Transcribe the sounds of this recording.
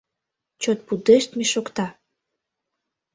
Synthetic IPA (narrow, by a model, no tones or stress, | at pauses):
t͡ɕot̪̚pud̪eʃt̪meʃokt̪ɑ